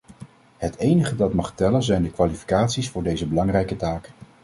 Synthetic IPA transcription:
ɦətejnəχədɑtmɑχtɛlənzɛjndəkʋaːlifi̥kaːtsisfʊːɹdejzəbəlɑŋrɛjkətaːk

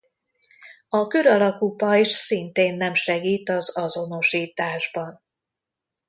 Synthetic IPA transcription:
ɒkøɾɒlɒkupɒiʃsint̪eːnːɛmʃɛɡiːt̪ɒzɒzo̞no̞ʃiːt̪aːʒbɒn

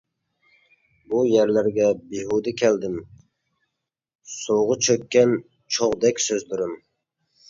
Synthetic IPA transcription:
bujæɾlæɾɡʲɛbeɦud̪ɪkʲʰɛld̪ɪm | soʁət͡ʃʰøkʲːɛn | t͡ʃʰoʁd̪ɛkʲsøzb̪yɾɪm

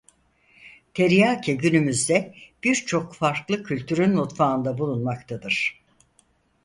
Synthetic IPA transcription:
t̪ʰeɾijaːcʰɛɟynymyzd̪ɛb̥iɾt͡ʃʰo̞kfaɾklˠɯcʰylʲt̪ʰyɾynːut̪faːɯnd̪abulˠunmakt̪ʰad̪ɯɾ̥

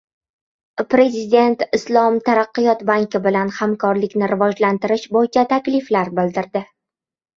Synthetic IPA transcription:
pɾe̞zɪd̪e̞nt̪ɪslˠɒmt̪ʰaɾaqːɨjɒt̪baŋkʲɪbɪlanhamkʰɒɾlɪkʲnɪɾɪvɒd͡ʒlant̪ɪɾɪʃbojɪt͡ʃʰat̪ʰakʲlɪflaɾbɪld̪ɪɾd̪ɪ

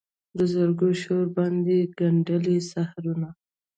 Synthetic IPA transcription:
d̪əzəɾɡoʃoɾbɑnd̪eɡaɳɖəlesahaɾuna

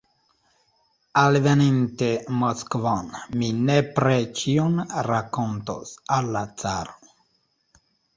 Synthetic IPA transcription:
alvenintemoskvonminepɾet͡ʃionɾakonto̰salːat͡sa̰ɾo̥

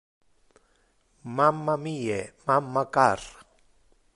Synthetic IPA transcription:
mamːamiemamːakar

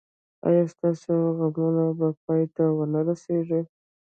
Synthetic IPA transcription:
ɑ̰jɑst̪ɑsoɣamunabapɑjt̪awənaɾaseʐe

